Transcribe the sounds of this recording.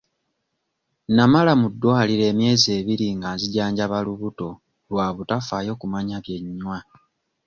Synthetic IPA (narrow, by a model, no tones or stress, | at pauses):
namalamudːoaliɾe̞ːmje̞ːze̞ːβiɾiŋɡaziɟaːɲɟaβaluβuto̞ | lwaːβutafajo̞ːkumaɲaβje̞ɲːwa